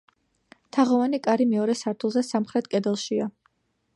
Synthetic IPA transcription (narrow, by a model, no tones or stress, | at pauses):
t̪ʰaʁɔvanikʼaɾimɛɔɾɛsaɾt̪ʰulˠzɛsamχɾɛt̪̚ʰkʼɛd̪ɛlˠʃia